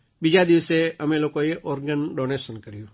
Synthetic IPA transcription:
bid͡ʒad̪ɪʋseəmẽloːkojeʔoːɾɡənɖoːneːsənkəɾijũ

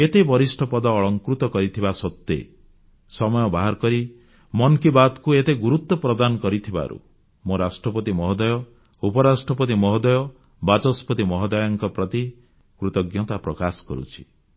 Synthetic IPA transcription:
et̪ebɔɾisʈʰɔpɔd̪ɔːɭɔŋkɾut̪ɔkɔɾit̪ʰibasɔt̪ːḛ | sɔmɔjɔbaɦaɾɔkɔɾi | mɔnkibat̪kuet̪eɡuɾut̪ːɔpɾɔd̪anɔkɔɾit̪ʰiba̰ɾṵ | moɾasʈɾɔpɔt̪imɔɦɔd̪ɔjɔ | upɔɾasʈɾɔpɔt̪imɔɦɔd̪ɔjɔ | bad͡ʒɔspɔt̪imɔɦɔd̪ɔjɔŋkɔpɾɔt̪i | kɾut̪ɔɡjɔt̪apɾɔkasɔ̥kɔ̰ɾṵt͡ʃʰi̥

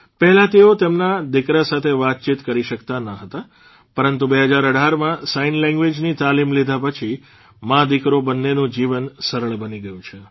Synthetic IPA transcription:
pəɦɛlat̪eot̪emnad̪ɪkɾasat̪ʰeʋat̪̚t͡ʃit̪kəɾiʃəkt̪anəɦət̪a | pəɾənt̪ubeɦəd͡ʒaɾəɽʱaɾmãsainlɛ̃ŋɡʋed͡ʒnit̪alimlid̪ʱapət͡ʃʰi | mãd̪ɪkɾobənːenũd͡ʒiʋənsəɾəɭbəniɡəjũt͡ʃʰe

